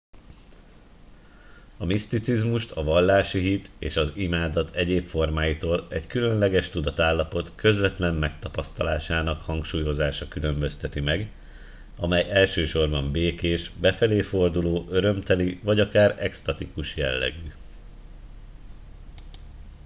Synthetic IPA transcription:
ɒmist̪it̪sizmuʃt̪ɒvɒlːaːʃiɦit̪ḛːʃɒzimaːd̪ɒt̪ʰɛɟeːpfo̞rmaːjit̪oːlɛckylø̞nlɛɡɛʃt̪ud̪ɒt̪aːlːɒpo̞t̪kø̞zvɛt̪lɛmmɛk̚t̪ɒpɒst̪ɒlaːʃaːnɒkhɒŋkʃuːjo̞zaːʃɒkylø̞mbø̞st̪ɛt̪imɛɡ | ɒmɛjɛlʃøːʃo̞rbɒmbeːkeːʃbɛfɛleːfo̞rd̪uloːʔøɾø̞mt̪ɛlivɒɟɒkaːɾɛ̰kst̪ɒt̪ikuʃjɛ̰lːɛ̰ɡy

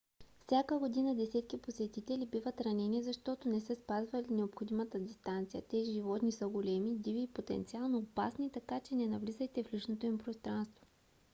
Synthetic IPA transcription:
fsʲakəɡod̪inəd̪ɛsɛt̪kiposɛt̪it̪ɛlibivət̪ɾɐnɛniɛzɐʃt̪ɔt̪ʊnɛsəspazvɐlinɛopxod̪imɐt̪əd̪ʲist̪ant̪sijə̰t̪ɛiʒivɔt̪nisəɡʊlɛmid̪iviːpot̪ɛ̰nt̪sialˠnoːpa̰snit̪ɐkat͡ʃɛnɛnɐvlizɐjt̪ɛflit͡ʃnot̪oimpɾost̪ɾanst̪vo

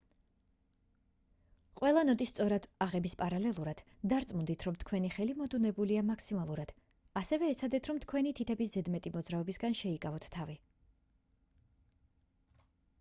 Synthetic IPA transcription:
qʼwʔɛlˠanɔt̪ʼist̪sʼɔɾad̪̥aʁɛbispʼaɾalɛlˠuɾad̪̥d̪aɾt̪sʼmund̪it̪ʰɾɔmt̪ʰkʰwɛniχɛlimɔd̪unɛbuliamakʰsimalˠuɾad̪̥ | asɛvɛːt̪sʰad̪ɛt̪ʰɾɔmt̪ʰkʰwɛnit̪ʰit̪ʰɛbiszɛd̪mɛt̪ʼimɔd̪zɾaɔbisɡanʃɛikʼavɔt̪ʰt̪ʰːavi

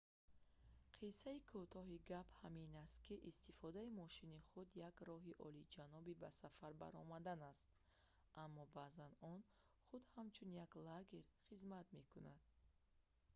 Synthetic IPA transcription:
qʰisaikʰut̪ʰɔɦiɡaphaminast̪kʰiʔist̪ifɔd̪aimɔʃiniχud̪jaɡɾɔɦiʔɔlid͡ʒanɔbibasafaɾba̰ɾɔ̰mad̪anast̪̚ | ʔamːɔbazanɔn | χud̪hamt͡ʃʰunjaɡlaɡeɾχizmat̪me̞kʰunad̪̥̚

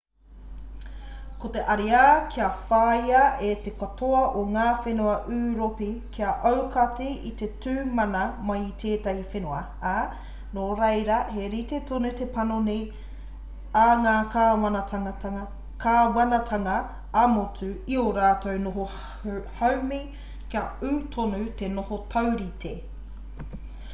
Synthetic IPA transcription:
kot̪eʔɐɾiakʰiɐfaːjɐet̪ekɐtʰoɐʔoŋaːfenuɐʔʉːɾopikʰiɐʔɐwkɐtiit̪etʉːmɐnɐmɐjit̪ʰeːtɐhifenuɐ | a | noːɾɐjɾɐheɾit̪etʰonut̪epɐnonej | ɐŋaːkaːwɐnɐtʰɐŋɐtɐŋɐ | kʰaːwɐnɐtʰɐŋɐ | ɐmotuioɾaːtownoɦo | hɐwmi | kiɐʉːtʰonut̪enohotʰɐwɾitʰe

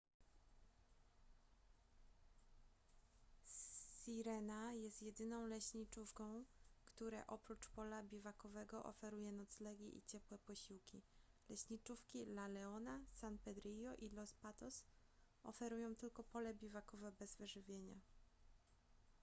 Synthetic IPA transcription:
siɾɛnajɛst̪jɛd̪ɘnɔ̃w̃lɛɕɲit͡ʂufkɔ̃w̃kt̪uɾɛ̰ʔɔpɾut͡ʂpɔlabʲivakɔvɛɡɔʔɔ̰fɛɾujɛnɔt̪slɛɡʲḭʔḭt͡ɕɛpwɛpɔɕiwkʲilɛɕɲit͡ʂufkʲilalɛɔnasanpɛd̪ɾijɔʔilɔspat̪ɔs | ɔ̰fɛɾujɔ̃w̃t̪ɘlkɔpɔlɛbʲivakɔvɛbɛzvɘʐɘvʲjeɲa

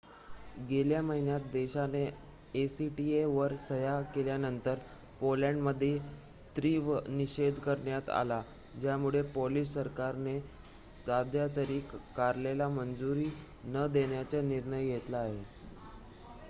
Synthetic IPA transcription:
ɡeljaməɦinjat̪̚d̪eɕaneː | siʈieʋəɾsəjakeljanənt̪əɾpoljaɳɖməd̪ʱːje | t̪ɾiːʋniɕed̪ʱkəɾɳjat̪a̰la | d͡ʑjamuɭepolisːəɾkaɾne | sad̪ʱjat̪əɾiːkːaɾlelamənd͡zuɾiː | nəd̪eɳjat͡səniɾɳəjjet̪laːɦe

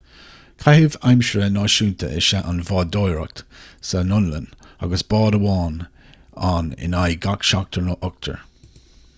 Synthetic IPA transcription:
kʰahɪvajmʃɹənɑːʃuːnt̪ʰə̰ʔɪ̰ʃaʔanvɑːdojɹə̰k̚t̪sənʊnləna̰ɡəsb̥ɑːdəwɑːn | anɪ̰najɡakʃak̚t̪ʰəɹnɔʔʊk̚t̪ʰə̰ɹ

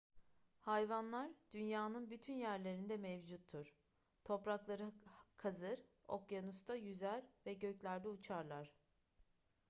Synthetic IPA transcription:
hajvanlˠaɾd̪̥ynjaːnɯnbyt̪ʰynjæɾlʲe̞ɾind̪ɛmɛvd͡ʒut̪ʰːuɾ̥ | t̪ʰo̞pɾaklˠaɾɯkʰazɯɾo̰kjanust̪ʰajyzæɾvɛɟø̞clʲæɾd̪ɛut͡ʃʰaɾlˠaɾ̥

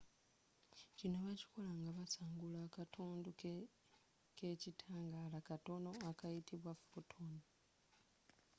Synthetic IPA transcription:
cinoβaci̥ko̞laŋɡaβasaːŋɡulakatʰuːndu | ke̞citʰaːŋɡalakato̞no̞akajitʰiβwafotʰoni

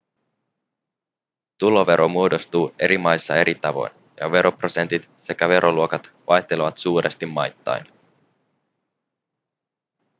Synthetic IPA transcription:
t̪ulo̞ʋe̞ɾʔo̞muo̞do̞st̪uːe̞ɾimɑjsːɑe̞ɾit̪ɑʋo̞̰jn | jɑ̰ʋe̞ɾʔo̞pro̞se̞nt̪it̪se̞kæʋe̞ɾʔo̞luo̞kɑt̪ʋɑjt̪e̞leʋɑt̪suːɾʔest̪imːɑjt̪ːɑ̰jn

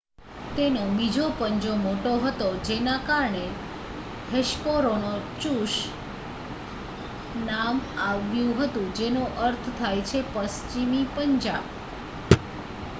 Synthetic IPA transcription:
t̪enobid͡ʒopəɲd͡ʒomoʈoɦət̪od͡ʒenakaɾɳe | heʃpoɾonot͡ʃũʃ | namaʋjũɦət̪ũd͡ʒenuʔəɾt̪ʰt̪ʰajt͡ʃʰepəst͡ʃimipəɲd͡ʒab

